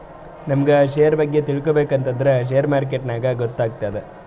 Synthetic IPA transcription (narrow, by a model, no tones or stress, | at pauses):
nɐmɐɡeʃejɐɾbɐɡːet̪iɭkobeːkɐnt̪ɐnd̪ɐɾeʃ̬ejɐɾmaːɾk̬eʈnaːɡɐɡot̪ːaːɡ̚t̪aːd̪e